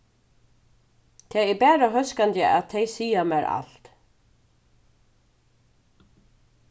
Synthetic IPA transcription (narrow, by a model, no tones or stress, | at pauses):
t̪ʰɛɛpɛːɾaɦœskant̪ɪʔa̰ðt̪ʰejsiːamaɾa̰l̥t̪